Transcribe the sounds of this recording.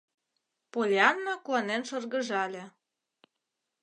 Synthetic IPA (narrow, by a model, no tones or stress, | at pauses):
polʲeɑnːɑkuɑnenʃɤrɣə̆ʒɑlʲĕ